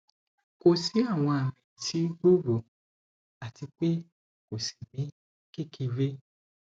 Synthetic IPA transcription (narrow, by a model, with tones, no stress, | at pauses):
ko˨si˨˦a˦˨w̃ɔ̃˧a˨mĩ˨ti˨˦ɡ͡bo˦ɡo˨ | a˨ti˧k͡pe˦ | ko˨si̥˨mĩ˨˦ | ki˦˨ki˧ɾe˦